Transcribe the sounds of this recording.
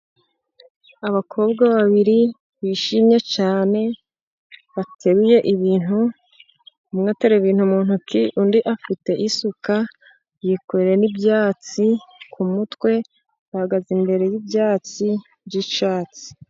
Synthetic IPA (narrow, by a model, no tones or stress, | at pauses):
aβakʰo̞ːbɡaβaβiɾi | βiːʃimɲe̞t͡ʃaːne̞ | βatʰe̞ɾuje̞ʔiβiːn̥hu | umŋateɾeβiːn̥humuːn̥ukiʔundiʔafite̞ʔisuka | jikoɾeɾenibjaːt͡sikʰumutwe̞ | βahaɡazimbe̞ɾe̞jibjaːt͡si | bɟiʃaːt͡si̥